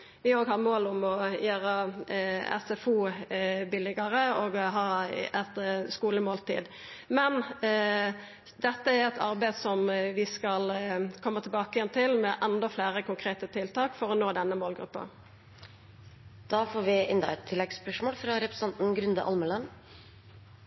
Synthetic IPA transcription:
ʋɪoːɡɦɑʁmoːlʊmɔjøːɾə | ɛ̰sɛfuːbɪlɪɡəɾəoːɡɦɑːɛt̪skuːləmoːlt̪ʰḭːd̪ | mɛn | d̪ɛt̪ːəæɾɛt̪ʰɑɾbæɪsɔmʋɪskɑlkʰɔmːət̪ʰɛlbɑːkəjɛnt̪ʰɪlmɛʔɛnd̪ɔflæːɾəkʊŋkʰɾeːt̪ət̪ʰɪlt̪ɑːkfɔɾɔnoːd̪ɛnːəmoːlɡɾʉ̰pːɑ̰ | d̪̥ɑːfoːɾʋɪɪnd̪ɑ̰ɛt̪ʰːɪlːɛɡspœʂmoːlfɾɑɾɛpɾɛsɑnt̪n̩ɡɾʉnd̪əʔɑ̰lməlɑn

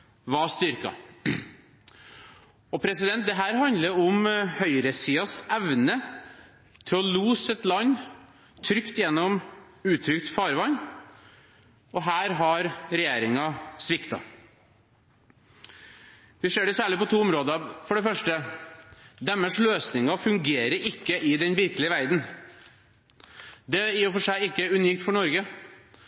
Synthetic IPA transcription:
ʋɑːst̪ʏɾkɑ̰ | ɔpʰɾɛsɪd̪ɛnt̪̚d̪ɛɦæːɾhɑnd̪ləɾʊmhœʏɾəsiːɑsɛʋnə | t̪ʰɪlɔluːsɛt̪lɑnː | t̪ʰɾʏkt̪jɛnːɔm | ʉːt̪ʰɾʏkt̪fɑːɾʋɑn | ɔɦæːɾɦɑɾɾɛjeːɾɪŋɑsʋɪkt̪ɑ̰ | ʋɪseːɖɛsæːɭɪpɔt̪ʰuːʊmɾoːd̪ɑfɔɖɛfœʂʈə | d̪ɛmːəsløːsnɪŋɑfʉŋɡeːɾəɾɪkːəʔɪd̪ɛnʋɪɾkəlɪəʋæɾd̪n̩ | d̪ɛjːfɔʂæɪɪkːəʉniːk̚t̪fɔɳɔɾɡə

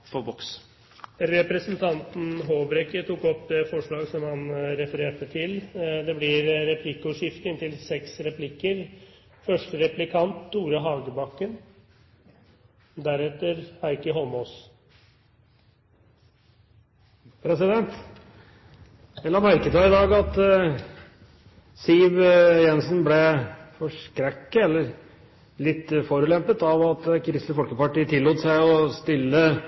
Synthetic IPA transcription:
fɔbɔks | ɾɛpɾɛsənt̪ʰɑnt̪n̩ɦoːbɾɛkət̪ʰukɔpːd̪ɛfɔʂɭɑːɡsɔmhɑnɾɛfəɾeːʈət̪ʰɪld̪ɛblɪɾɾɛpʰlɪkʊʂɪft̪əɪnt̪ɪlsɛksɾɛplɪkːəɾ | fœʂʈəɾɛplɪkʰɑnt̪̚d̪uːɾəɦɑːɡəbɑkːən | d̪æɾɛt̪ːəɾæɪkəɦɔlmoːs | pʰɾɛsɪd̪ɛnt̪ | ɛlːəɑmæɾkət̪ɑːɪd̪ɑːɡɑt̪ | siʋjɛnsnblɛfɔʂkɾɛkːəɛlːəɾ | lɪt̪ːfɔɾʉlɛmpət̪ɑʋɑt̪kʰɾɪst̪əfɔlkəpɑʈiːt̪ʰɪlːuːt̪sæɪɔst̪ɪlːə

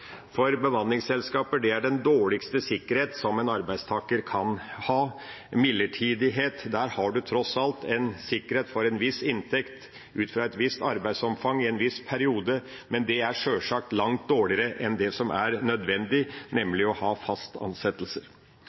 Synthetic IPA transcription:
fɔɾbəʋɑnlɪŋsɛlskɑːpəɖɛæɖɛnd̪oːɭɪkst̪əsɪkːəɾheːt̪sɔmɛnɑɾbæɪd̪st̪ʰɑːkəɾkʰɑnhɑː | mɪlːəʈʰiːd̪ɪɦeːt̪d̪æɾhɑɖʉt̪ʰɾɔsɑlt̪ʰɛnsɪkːəɾheːt̪fɔɾɛnʋɪsɪnt̪ʰɛkt̪ | ʉːt̪fɾɑːɛt̪ʋɪst̪ɑɾbæɪsɔmfɑŋɪɛnʋɪspʰæɾɪuːd̪ə | mɛnd̪ɛæɾʂøːʂɑːk̚t̪lɑŋt̪̚d̪oːɭɪəɾəʔɛnd̪ɛsɔmʔæ̰ɾnœd̪ʋɛnd̪ɪnɛmlɪɔhɑːfɑst̪ɑ̰nsɛt̪əlsəɾ

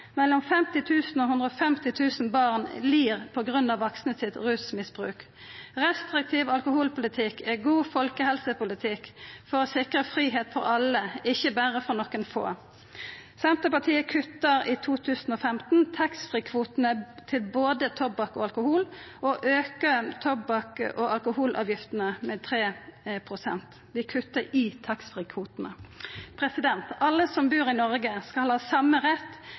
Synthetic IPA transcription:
mɛlːɔmfɛmt̪ɪt̪ʰʉːsn̩oːhʉnd̪ʁəɔfɛmt̪ɪt̪ʰʉːsnbɑːʁnliːʁpʰɔɡʁʉnːɑʋɑksnəsɪt̪ʁʉːsmɪsb̥ʁʉ̰ːk | ʁɛst̪ʁɪk̚t̪ʰiːʋɑlkʊhuːlpʊlɪt̪ʰɪkʰːɛɡuːfɔlkəhɛlsəpʊlɪt̪ʰɪkfɔʁɔːsɪkʁəfʁiːɦeːt̪fɔʁɑləɪçəbæːʁəfɔʁnɔkːənfo̰ː | sɛnt̪əpɑt̪ʰiːəkʰʉt̪ːəɾiːt̪ʰuːt̪ʰʉːsn̩ɔːfɛmt̪n̩t̪ʰɑksfʁiːkʰʋuːt̪ənət̪ʰɪlboːd̪ət̪ʰɔbɑkɔɑlkʊhuːlʔɔʔøːkət̪ʰɔbɑkʔɔʔɑlkʊhuːlʔɑ̰ːʋjɪft̪ənəmɛt̪ʰɾeːpʰʁʊsɛnt̪ | ʋ̪ɪkʰʉt̪ːəɾɪt̪ʰɑksfʁiːkʰʋuːt̪nəpʰʁɛsɪd̪ɛnt̪ɑlːəsɔmbʉːɾɪnɔɾɡəskɑlhɑːsɑmːəʁɛt̪ː

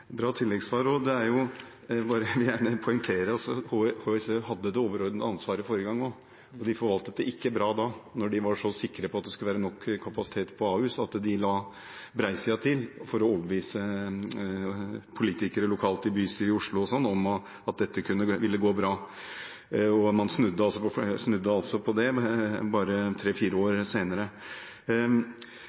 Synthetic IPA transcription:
bɾɑːt̪ʰɪlːɛɡsʋɑːɾɔd̪ɛæɾjʊ | bɑːɾəʋɪjæːɳəpʰʊʏŋt̪ʰeːɾəɾɔsɔhohoːɛsehɑd̪ːəd̪ɛoːʋəɾɔɾd̪nd̪əɑnsʋɑːɾəfoːɾəɡɑŋːo | ɔd̪ɪfɔɾʋɑlt̪ət̪̚d̪ɛɪkːəbɾɑːd̪ɑnɔɖɪʋɑʂɔsɪkːɾəpʰɔɑt̪̚d̪ɛskʉləʋæːɾənɔkʰːkʰːɑpɑsɪ̥t̪ʰeːt̪pʰɔɑːʉːsɑt̪d̪ɪlɑː | bɾæɪsəɑt̪ʰɪlfɔɾɔoːʋəʋiːsə | pʰʊliːt̪ɪkəɾəlʊkʰɑːlt̪ɪbyːsyːɾɪʊʂɭʊɔsɔnːɔm | ɑt̪̚d̪ɛt̪ːəkʰʉnːəʋɪlːəɡoːbɾɑː | ɔmɑnsnʉd̪ːəɑlsɔpʰɔfsnʉd̪ːəɑlsɔpʰɔd̪ɛbɑːɾət̪ʰɾeːfiːɾəoːɾseːnəɾə

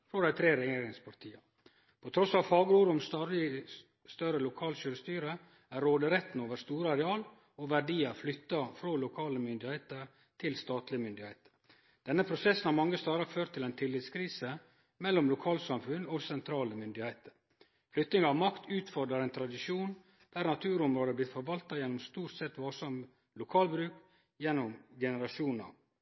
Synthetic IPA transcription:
fɾɔd̪æɪt̪ʰɾeːɾɛjeːɾɪŋspʰɑɾʈ̪ʰiːə | pʰɔt̪ʰɾɔsɑʋfɑːɡəɾuːɾʊmsɾɪ | st̪œɾəlʊkʰɑːlɕøːɾəst̪yːɾə | æɾːoːd̪əɾɛt̪n̩oːʋəɾst̪uːɾəɑɾɛɑːl | ɔʋæɖiːəflʏt̪ːɑfɾoːlʊkʰɑːləmʏnd̪ɪheɪt̪əɾ | t̪ʰɪlst̪ɑːt̪lɪəmʏnd̪ɪhæɪt̪ʰə̥ɾ | d̪̥ɛnːəpʰɾʊsɛsːənhɑɾmɑŋːəst̪ɑːɾɑføːɾt̪ʰːɪlɛɪnt̪ʰɪlːɪt̪skʰɾiːsə | mɛlːɔmlʊkʰɑːlsɑmfʉnɔsɛnt̪ʰɾɑːləmʏnd̪ɪhæɪt̪əɾ | flʏt̪nɪŋɑɑʋmɑkt̪ʰʉːt̪fɔɾd̪ɾɑɾɛɪnt̪ʰɾɑd̪ɪʂuːn | d̪̥æːɾnɑt̪ʰʉːɾʊmɾoːd̪əblɪt̪fɔɾʋɑlt̪ɑjɛnːɔmst̪uːʈsɛt̪ʋɑlsɑm | lʊkʰɑːlbɾʉːk | jɛnːɔmɡɛnəɾɑʂuːnɑ̰ʋ

